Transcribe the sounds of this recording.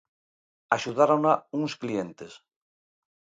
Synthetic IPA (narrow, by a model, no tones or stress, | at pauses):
aʃuðaɾonauŋsklient̪es